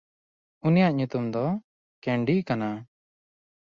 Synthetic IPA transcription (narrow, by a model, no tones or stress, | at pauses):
unijaʔɲut̪umd̪ɔ | kɛɳɖikana